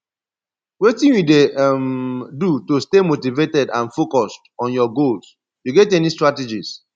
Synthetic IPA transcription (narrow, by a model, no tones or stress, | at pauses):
wetĩnwidemdutostemotivetɛdã̰nfokɔstɔ̃njɔɡols | juɡɛtɛnistɹated͡ʒis